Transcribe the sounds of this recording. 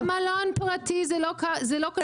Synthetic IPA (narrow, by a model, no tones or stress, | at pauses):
malɔnpʁat̪izɛokazɛlok